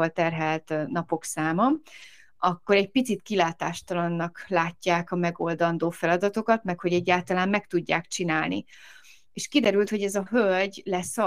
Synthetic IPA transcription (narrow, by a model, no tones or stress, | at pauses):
ɒlt̪ɛrɦɛlt̪nɒpo̞ksaːmɒ | ɒkːo̞ɾɛɟ̚pit̪sit̪kilaːt̪aːʃt̪ɒlɒnːɒklaːcːaːkɒmɛɡo̞ld̪ɒnd̪oːfɛlɒd̪ɒt̪o̞kɒt̪mɛkho̞ɟɛɟːaːlt̪ɒlaːmːɛkt̪uɟːaːkt͡ʃinaːlnḭ | eːʃkid̪ɛɾylt̪ho̞ɟɛzɒɦølɟlɛsɒ